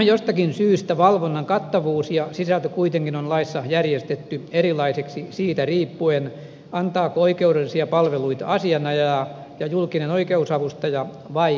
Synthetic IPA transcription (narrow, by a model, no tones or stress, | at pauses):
jost̪ɑkinsyːst̪æʋɑlʋonːɑŋkɑt̪ːɑʋuːsjɑsisælt̪økuit̪eŋkinonlɑisːɑjærjest̪et̪ːyerilˑɑiseksisiːt̪æriːpːuen | ɑnt̪ɑːkooikeuɾelːˑisiɑpɑlʋeluit̪ɑɑsiɑnɑjɑ | jɑjulkinenoikeusɑʋust̪ɑjɑ | ʋɑi